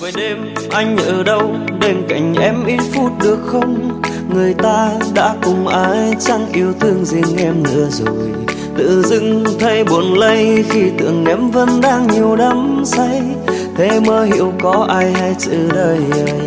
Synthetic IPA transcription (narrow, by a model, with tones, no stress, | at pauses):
vəː˨˦jɗe˧mʔa˧jŋ̟ʔəəː˨˩ɗə˧wɗe˧nka˧˩jŋ̟ʔɛ˧˥mʔi˧˦˥t̚fu˧˥t̚ɗɨ˨˩ək̚xə˧wŋ͡m | ŋɨ˨˩əjt̪aː˧ɗa̰ː˧˥kʊ˨˩ŋ͡mʔaː˨˦jt͡ɕa˧ŋʔi˧˩əwt̪ʰɨ˧əŋzi˨˩əŋʔɛ˧mnɨ̰˧˥əzo˨˩j | t̪ɨ̰˧˨zɨ̰˧˥ŋt̪ʰə˧jɓu˨˩ənlə˧jxi˧t̪ɨ̰˧˨əŋʔɛ˨˦mvə˧nɗaː˧ŋɲi˨˩əwɗə˨˦msa˧j | t̪ʰe˨˦məː˧hḭ˧˨əwkɔ˨˦ʔaː˧jha˧jt͡ɕɨ̰˧˩ɗəː˧jə˧